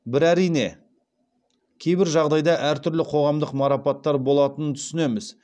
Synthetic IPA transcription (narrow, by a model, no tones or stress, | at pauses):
bɪɾæɾijne̞̰ | kʲʰe̞jbɪɾʒɑʁd̪ɑjd̪ɑʔæɾt̪ʰʏɾlɪqʰo̞ʁɑmd̪əqmɑɾɑpɑt̪ːɑɾbo̞lˠɑt̪ənət̪ʰʏ̥sɪne̞mɪz